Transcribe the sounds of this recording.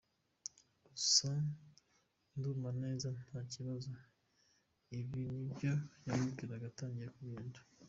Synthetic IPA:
ɡusa | ndumane̞ːzan̥aːciβazo | iβinibɟo̞jamuɡiɾaɡataːɲɟiɾekuβiːntu̥

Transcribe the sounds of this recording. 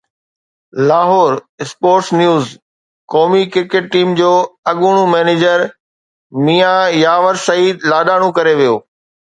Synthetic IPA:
laːɦɔːɾɪspoːɾʈsnjuːz | kɔːmikɪɾkeʈ̚ʈiːmd͡ʑoːɐɠuɽ̃ũmɛːneːd͡ʑəɾ | miːajaːʋəɾsɐiːd̪laːɗaːɽ̃ũkɐɾeʋijoː

